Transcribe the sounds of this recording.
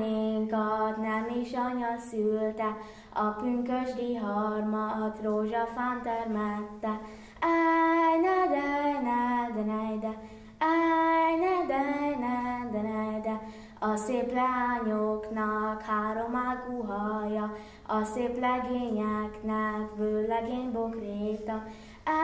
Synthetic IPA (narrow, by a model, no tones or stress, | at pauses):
eŋkɒt̪nɛmiʃɒɲɒsylt̪ɛ | ɒpyŋkøʒd̪iɦɔɾmɒt̪ɾoːʒɑfant̪ɛɾmɛt̪ːɛ | ɛjnɛd̪ɛjnɛd̪ɛnɛjd̪ɛ | ɛjnɛd̪ɛjnɛd̪ɛnɛjd̪ɛ | ɒseplɛaɲoknɔkhaːɾomakuɦɒjɒ | ɒseːplɛɡeːɲɛknɛkbøːlɛɡeːnbokɾeːt̪ɔ